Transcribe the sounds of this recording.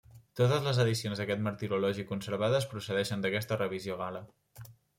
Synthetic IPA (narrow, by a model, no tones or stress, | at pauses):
t̪ot̪əzləzəðisionzðəkɛt̪məɾt̪iɾulɔʒikunsəɾβ̞aðəspɾusəðɛʃənd̪əkɛst̪ərəβizioɣalə